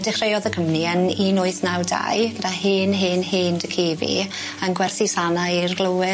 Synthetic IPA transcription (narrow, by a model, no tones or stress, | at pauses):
dɪχrejɔðəkʰəmniəninʊɨθnawda̰jɡ̥ədaheːnɦeːnheːndəkʰeːvḭ | anɡwɛrθisanairɡlˠəwɪ